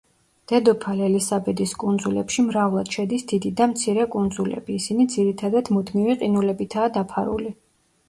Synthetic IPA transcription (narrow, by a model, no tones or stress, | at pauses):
d̪̥ɛd̪ɔpʰalɛlisabɛd̪iskʼund̪zulɛ̰pʃimɾavlˠad̪̥ʃɛd̪isd̪̥id̪id̪amt̪sʰiɾɛkʼund̪zulɛ̰biːsinid̪ziɾit̪ʰad̪ad̪mud̪miviqʼinulɛbit̪ʰaːd̪apʰaɾṵli